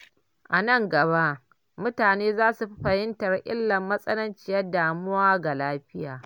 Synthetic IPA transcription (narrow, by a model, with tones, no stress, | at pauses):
ʔa˨nɐ˦˨ŋɡɐ˨βa˦ʔ | mʊ˦taː˨neː˦zaː˦su˨ɸi˦ɸɐ˨hɪ˦ntɐ˨rʔɪ̰˦lːɐ˨mːɐ˦sʼɐ˦lɐ˦nt͡ʃɪ˦jɐ˦rdaː˨mʊ˦waː˦ɡa˨laː˦ɸɪ˦jaː˨